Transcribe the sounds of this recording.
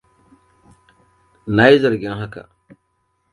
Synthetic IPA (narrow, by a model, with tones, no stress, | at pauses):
naː˦ji˦zɐ˨ɾɡʲɪ˦ŋɦa˦ka̰˨